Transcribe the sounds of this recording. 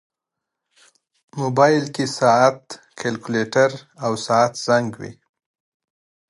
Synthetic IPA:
mobɑjlkesɑat̪ | kʰelkʊleʈaɾawsɑat̪z̥aŋɡwḭ

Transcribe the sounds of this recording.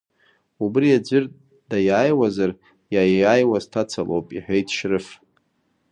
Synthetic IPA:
ubrijad͡ʒʷʏr | d̥ajaːjwazar | jajajwaztʰat͡sʰalʔo̰wpʼḭħʷᶣejtʰʼʃrɨf

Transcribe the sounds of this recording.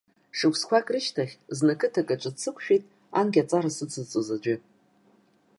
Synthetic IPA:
ʂɨkʷʰʼskʷakʼrɨʃtʰaχʲznɨkʰɨtʰakʼaʈ͡ʂʷʼɨt͡sʰɨkʷʰʼɕᶣitʼ | anɡʲat͡sʼarasɨt͡sʰɨt͡sʼɨzad͡ʒʷɪ

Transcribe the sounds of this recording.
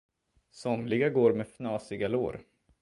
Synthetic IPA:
sɔmlɪɡaɡoːɾmɛfnɑːsɪɡalo̰ːɾ

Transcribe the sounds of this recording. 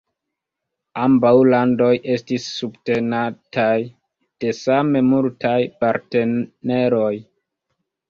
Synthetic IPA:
ambawlando̞jʔe̞stisːubte̞natʰaj | d̥e̞same̞multajpaɾte̞ne̞ɾo̞j

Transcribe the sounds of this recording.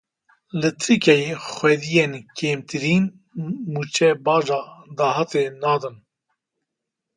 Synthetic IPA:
lɨt̪ʰɨkɛjxwɛd̪ijenkʰeːmt̪ʰɨɾiːn | muːt͡ʃʰɛbɑːd͡ʒɑːd̪ɑːɦɑt̪enɑːd̪ɨn

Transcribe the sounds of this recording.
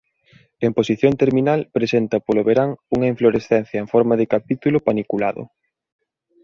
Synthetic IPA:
emposiθjont̪eɾminalpɾesent̪ɐpoloβeɾaŋuŋɐiɱfloɾesθɛn̟θjɐeɱfɔɾmɐðɪkapit̪ulʊpanikulaðʊ̰

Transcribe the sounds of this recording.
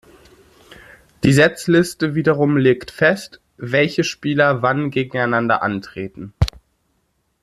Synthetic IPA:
d̥iːzɛt͡slɪstəviːdɐʁʊmleːktfɛst | vɛlçəʃpiːlɐvanɡeːɡŋ̩aɪnandɐ̰ʔa̰ntʁ̥eːtn̩

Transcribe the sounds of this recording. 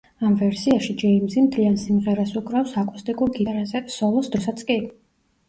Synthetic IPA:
amvɛɾsiaʃid͡ʒɛimzimt̪ʰliansimʁɛɾasukʼɾafsakʼust̪ʼikʼuɾɡit̪aɾazɛsɔlˠɔsd̪ɾɔsat̪sʰkʼi

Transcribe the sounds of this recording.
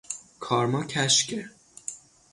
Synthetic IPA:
kʰɒːɾmɒːcʰæʃcʰe

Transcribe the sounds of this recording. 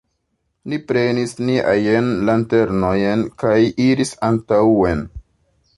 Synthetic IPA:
nipɾe̞nisniʔa̰jenlante̞ɾnojenkajiɾisantawe̞n

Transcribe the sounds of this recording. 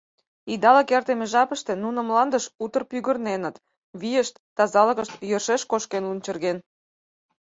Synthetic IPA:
id̪ɑləkert̪emeʒɑpə̆ʃt̪e̽nunə̆mlɑnd̪əʃut̪ərpyɣə̆rnenə̆t̪ | βijəʃt̪ːɑzɑlə̆ɣə̆ʃt̪jərʃeʃkoʃkenlunt͡ɕə̆rɣen

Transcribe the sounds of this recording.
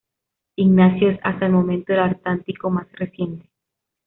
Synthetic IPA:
iɡnasjoesa̰st̪aelmõmẽnt̪oðelaɾt̪lant̪ikomasresje̞nt̪e̥

